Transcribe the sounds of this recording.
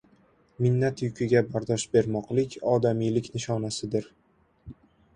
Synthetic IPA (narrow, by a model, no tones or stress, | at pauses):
mɪnːat̪jʊkʲʰɪɡʲabaɾd̪ɒʃbe̞ɾmɒqlˠɪkʲɒd̪amijlɪkʲnɪʃɒnasɪd̪ɪɾ